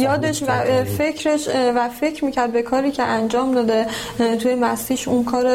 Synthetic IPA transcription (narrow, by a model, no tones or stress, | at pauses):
jɒːd̪eʃvæfe̞cʰɾeʃvæfe̞cʰɾmiːcæɾd̪̚be̞kʰɒːɾiːcʰe̞ʔænd͡ʒɒːmd̪ɒːd̪et̪ʰujemæsiːʃunkʰɒːɾe